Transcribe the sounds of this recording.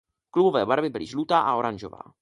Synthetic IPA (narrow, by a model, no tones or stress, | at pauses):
klubovɛːbaɾvɪbɪlɪʒlut̪aːʔao̞ɾanʒo̰va̰ː